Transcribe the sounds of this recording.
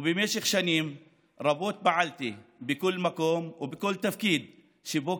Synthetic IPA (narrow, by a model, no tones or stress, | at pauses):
bimeːʃɪxʃaniːm | ɾˤɑboːt̪̚baʕalt̪ibɪkʊlːmakoːmwbɪkʊlːt̪afkiːd̪̚ | ʃɪboː